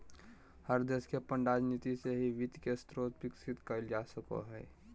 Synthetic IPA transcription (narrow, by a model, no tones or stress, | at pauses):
həɾd̪eːskepə̃ɳɖaːd͡ʒniːt̪iseɦiʋɪt̪kest̪ɾoːt̪bɪksɪt̪kəld͡ʒaːsəko̰ɦɛː